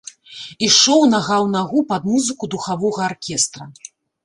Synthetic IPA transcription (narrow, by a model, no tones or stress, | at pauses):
iʂɔwnaɣawnaɣupɐd̪muzɨkud̪uxavɔɣɐarkʲɛst̪ɾɐ